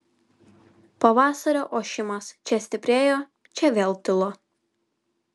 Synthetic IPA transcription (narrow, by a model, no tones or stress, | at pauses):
pɐʋɑːsɐɾʲoːʔoːʃʲɪmɐst͡ʃʲɛsʲt̪ʲɪpʲɾʲeːjoː | t͡ʃʲɛʋʲeːlˠt̪ʲɪlˠoː